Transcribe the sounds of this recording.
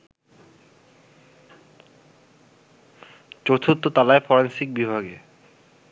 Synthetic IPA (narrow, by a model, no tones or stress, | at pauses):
t͡ɕot̪ʰut̪ːot̪alaefɔɾensik̚bibʱaɡe